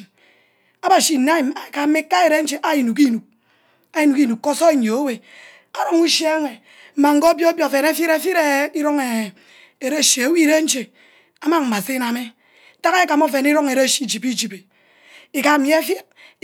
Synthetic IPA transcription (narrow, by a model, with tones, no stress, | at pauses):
a˦ba˨si˨na˦i˨ma˨ka˨me˦ka˦e˨ɾe˦n̩˦t͡ʃe˦ʔa˦ji˨nu˨ki˦nu˨k̚ | a˦ji˨nu˨ki˦nu˨k̚ːo˦so˦e˦ɲ˨o˨o˦we˨ | a˨ɾo˦ŋu˦ʃje˦ŋʷe˨ | m̩˦ma˨ŋ̩˦ɡo˦bjo˦bjo˨fe˨na˦fi˦ɾe˦fi˦ɾe˦i˦ɾo˦ŋe˨ | e˨ɾe˦˨ʃe˨e˨˦wi˦ɾe˦n̩˦t͡ʃe˨ | a˦ma˦m̩˨ma˨se˦na˨me˦ | ta˦ke˦ka˨mo˦fe˨ni˦ɾo˦ŋe˨ɾe˦˨ʃi˦˨d͡ʒi˨pi˦d͡ʒi˨pe˨ | i˨ka˨m˦jfji˦t̚